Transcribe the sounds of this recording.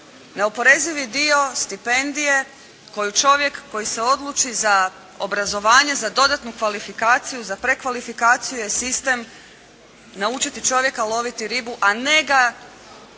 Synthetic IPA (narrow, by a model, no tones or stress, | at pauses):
ne̞opo̞ɾe̞ziʋid̪io̞st̪ipe̞nd̪ije̞ | ko̞jut͡ʃo̞ʋje̞kːo̞jise̞o̞d̪lˠut͡ʃiza | o̞̰bɾazo̞ʋaːɲe̞zad̪o̞d̪at̪nukʋalifikaːt̪sijuzapɾe̞kʋalifikaːt̪sijuje̞sist̪e̞m | naut͡ʃit̪it͡ʃo̞ʋje̞kalˠo̞ʋit̪iɾibuʔane̞ɡa